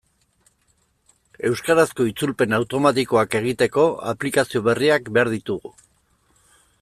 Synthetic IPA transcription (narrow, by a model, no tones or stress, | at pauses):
e̞wskaɾasko̞it͡sulpe̞nawt̪o̞mat̪iko̞ake̞ɣ̞it̪e̞ko̞a̰plikasio̞β̞e̞riakbe̞aɾðit̪uɣu